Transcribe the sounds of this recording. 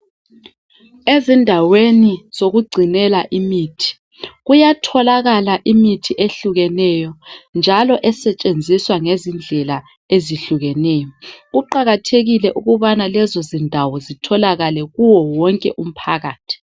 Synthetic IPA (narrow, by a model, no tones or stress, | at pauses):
ezindʱaweniz̥oɣuɡ͡ǀʱinɛlaʔimitʰi̥ | ɣujatʰɔlaɣalaʔimitʰiʔeɬuɣɛnɛjɔnd͡ʒʱalɔʔɛsɛt͡ʃʼend͡zʱiswaŋezind͡ɮʱɛla | eziɬuɣɛnɛːjɔɣuǃaɣatʰeɣilɛʔuɣuβanalɛzɔzindʱawɔzitʰɔlaɣalɛɣuwɔwɔŋkʼɛ̰ʔum̩pʰaɣaːtʰi̥